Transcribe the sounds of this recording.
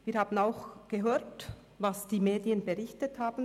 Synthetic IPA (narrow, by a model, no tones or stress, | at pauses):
viːɾhaːbn̩aʊxɡ̥əɦøːt | vasd̥iːmeːdiənbəʁɪçtəthaːbn̩